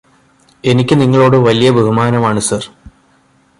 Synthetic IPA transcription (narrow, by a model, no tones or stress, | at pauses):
e̞nikʲːɨniŋːɐɭo̞ːɽɨʋɐlijɐbʱeɦumaːnɐmaːɳɨsɐr